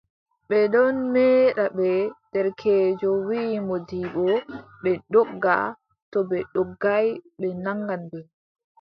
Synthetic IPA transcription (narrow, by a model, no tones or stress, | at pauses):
ɓɛdɔnmɛːɗaɓɛd̥ɛɾkʰɛːd͡ʒɔwimɔdiːɓɔɓɛɗɔɡːa̰ | tɔbɛɗɔɡːajɓɛnaŋɡanbɛ